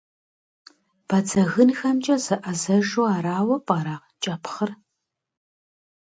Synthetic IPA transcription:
b̥ɐt͡sʰɐɣɨnxɐmt͡ʃʼɐzɨʔɐzɐʒuaːɾaːwɐpʼɐɾaːʁt͡ʃʼɐpʰχər

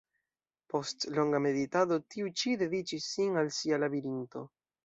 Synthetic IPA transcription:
po̞stlo̞ŋɡame̞ditado̞tiut͡ʃide̞dit͡ʃisːinalsialabiɾinto̞

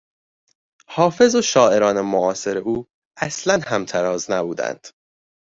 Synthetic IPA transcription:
hɒːfe̞zoʃɒːʔe̞ɾɒːnemoɒːse̞ɾe̞uː | æslænhæmt̪ʰæɾɒːznæbuːd̪æ̰nd̪̥

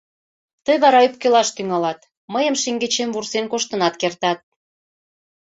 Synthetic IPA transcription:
t̪əjβɑɾɑyp̚kelɑʃt̪yŋɑlɑt̪ | məjəmʃiŋɡet͡ɕemvursenkoʃt̪ənɑt̪kert̪ɑt̪̚

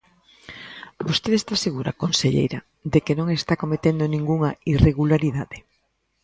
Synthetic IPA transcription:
bost̪eðest̪aseɣuɾa̰konseʎḛjɾɐ | d̪ekenõŋest̪akomet̪end̪onĩŋɡuŋɐireɣulaɾiðaðe

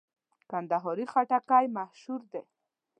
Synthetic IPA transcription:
kand̪aɦɔɾixaʈakajmahʃuɾd̪e

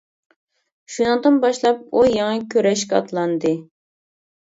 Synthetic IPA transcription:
ʃunɨŋd̪ɨnbɑʃlˠɑp̚ujɑŋɑkʲʰøɾɛʃkʲɛɑ̰t̪ʰlˠɑnd̪ɨ

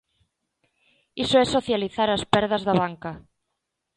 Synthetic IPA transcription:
isoɛsoθjaliθaɾaspɛɾðɐzðaβaŋka

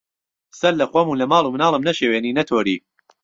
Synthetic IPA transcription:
sɐllɐxwɐmuːnlɐmaːlˠumnɑːlˠəmnɐʃeːweːniːnɐt̪ʰoːɾḭː

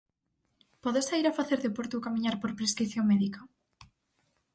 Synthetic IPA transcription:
pɔðesaiɾafaθeɾðepoɾt̪ukamĩɲaɾpoɾpɾeskɾiθjoŋmɛðika

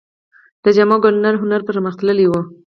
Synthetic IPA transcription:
d̪̥əd͡ʒamɑɡʊnnaɾɦʊnaɾpəɾməxt̪ləliwu

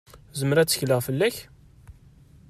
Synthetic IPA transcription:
zəməɾæt͡sːə̥çləʁfəlːæç

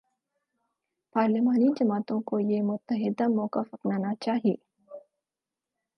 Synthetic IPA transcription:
paːɾlɪmaːnid͡ʒɐmaːt̪õkojemʊt̪ːəɦɪd̪amɔːkəfɾɐknaːnat͡ʃaːɦiḛː

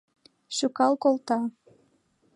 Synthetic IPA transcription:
ʃykɑlkolt̪ɑ

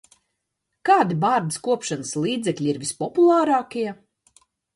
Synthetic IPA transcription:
kɑːd̪ibaːɾd̪iskuɔpʃanəslˠiːd̪zɛklʲiiɾvispɔpulˠɑːɾaːkiɛ

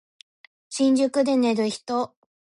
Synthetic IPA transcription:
ɕĩɲ̟d͡ʑɨkɯ̟d̪e̞ne̞ɾɯ̟çi̥t̪o

